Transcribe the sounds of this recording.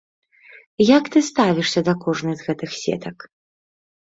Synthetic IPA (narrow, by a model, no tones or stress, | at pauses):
jɐkt̪ɨst̪avʲiʂsʲɐd̪ɐkɔʐnɨzɣɛt̪ɨxsʲɛ̰t̪ɐk